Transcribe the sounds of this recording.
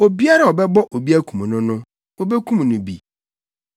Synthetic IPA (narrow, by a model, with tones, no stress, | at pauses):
o˨bi˦a˦ɾa˨ɔ˨bɛ˦bɔ˦ʔo˨bi˦æ˦kʰũ˨m˨nʊ̃˦nʊ̃˦ | wɔ˦bɛ˦kʰũ˦m˨nʊ̃˨bḭ˨